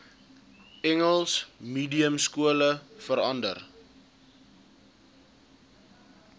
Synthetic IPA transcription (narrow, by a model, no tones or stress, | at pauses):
ɛŋəlˠsmiːdiəmskuələfəɾɐndər